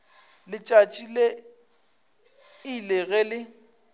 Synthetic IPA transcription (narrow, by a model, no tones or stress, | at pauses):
lɪt͡ʃʼat͡ʃʼile | ileɣɛlɪ